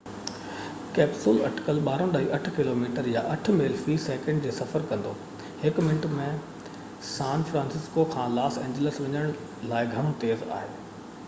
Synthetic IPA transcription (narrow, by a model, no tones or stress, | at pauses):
kɛːpsʊlɐ̰ʈɪ̥kəlɓaːɾõɗaːɦiʔɐʈʰkɪloːmiːʈəɾjaʔɐʈ̆ʰmeːlfɾiːsɛːkə̃ɳɖd͡ʑeːsɐfəɾkɐ̃nd̪oː | hɪkmɪ̃ɳʈmẽ | sãːnfɾãːnsɪskokʰãːlaːsẽːɲd͡ʑələsʋɐɲəɽ̃ | laːɪɡʱɐɽ̃õt̪eːza̰ːɦḛː